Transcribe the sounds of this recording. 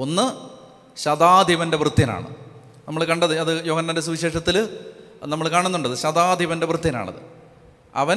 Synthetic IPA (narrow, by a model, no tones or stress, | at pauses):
o̞nːɨ | ɕɐd̪aːd̪ʱiʋɐnde̞ʋrɨt̪ːjɐna̰ːɳɨ̰ | nɐmːɐɭkɐɳɖɐðɨɐðɨjo̞ːɡɐnːɐndes̬uʋiɕe̞ːʂɐt̪ːil | nɐmːɐɭkaːɳunːuɳɖɐðɨɕɐd̪aːd̪ʱiʋɐnde̞ʋrɨt̪jɐna̰ːɳɐ̰ðɨ̰ | ɐ̰ʋɐn